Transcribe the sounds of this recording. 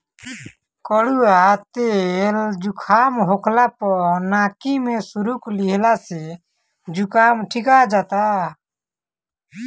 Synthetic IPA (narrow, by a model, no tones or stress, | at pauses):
kəɽuat̪eld͡ʒukʰaːmɦokʰlapɔɾnaːkimẽsuɾukliɦlase | d͡ʒukaːmʈʰikad͡ʒaːt̪a